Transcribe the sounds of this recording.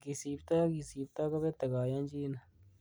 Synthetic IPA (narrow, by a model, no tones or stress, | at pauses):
ɡɪsiːbt̪aːɡɪsiːbt̪aːkəbeːt̪əɡaːjãːd͡ʒiːn